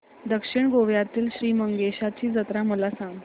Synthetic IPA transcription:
d̪əkʂiɳɡoʋjat̪iːlɕɾiːməŋɡeɕat͡ɕiːd͡zət̪ɾaməlasãŋɡ

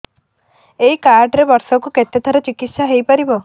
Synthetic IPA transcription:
eikaɾɖɾebɔɾsɔkuket̪ːet̪ʰɔɾɔt͡ʃikit̪saɦejpɔɾibɔ

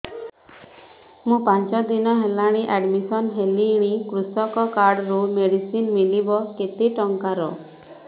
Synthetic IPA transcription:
mũpãnt͡ʃɔd̪inɔɦelaɽ̃iʔɛɖmisɔnɦeliɽ̃ikɾusɔkɔkaɾɖɔɾumeɽisinmilibɔket̪eʈɔŋkaɾɔ

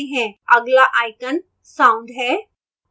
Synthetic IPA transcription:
ɦɛ̃əɡlaʔajkən | sãũɳɖɦɛ

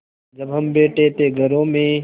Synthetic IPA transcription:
d͡ʒəbɦəmbeːʈeːt̪eːɡʱəɾõːmẽː

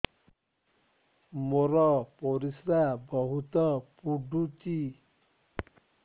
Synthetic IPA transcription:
moɾɔpoɾisɾabɔɦut̪ɔpuɖʱut͡ʃi

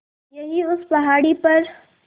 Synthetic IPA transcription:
jɐɦiʊspɐɦaːɽipɐɾ

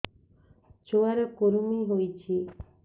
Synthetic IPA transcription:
t͡ʃoaɾɔkoɾumiɦojt͡ʃʰi

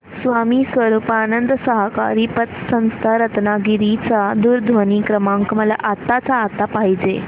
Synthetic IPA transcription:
sʋamiːsʋəɾuːpaːnənd̪səɦəka̰ɾiːpət̪sə̃ñst̪ʰaɾət̪naɡiɾit͡sad̪uːɾd̪ʱʋənikɾəmãŋkəməla̰ʔat̪ːat͡saːt̪apaɦid͡ʑe

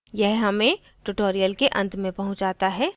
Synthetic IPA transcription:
jɛɦɦɐmẽ | ʈʊʈoːɾijəlkeʔɐ̰̃nt̪ʰmẽpɐɦʊ̃ɲt͡ʃd͡ʒaːt̪aɦɛː

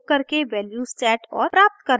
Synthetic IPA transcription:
kːɐɾkeʋɛːljusʈɛːʈɔːɾpɾaːp̚t̪kɐɾ

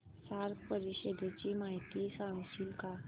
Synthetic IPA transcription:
saɾpəɾiɕəd̪ʱet͡ɕimaɦit̪isaŋsilka

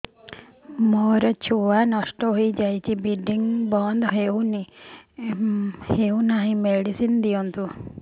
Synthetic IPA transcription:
mɔɾɔt͡ʃʰuanɔsʈɔɦoid͡ʒajt͡ʃʰibiɖiŋbɔnd̪ɦeuni | heunaɦĩmeɽisind̪ijɔnt̪u

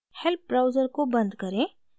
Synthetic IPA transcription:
help̚ːɾaːʊd͡ʒəɾkobɐ̃nd̪kəɾẽ

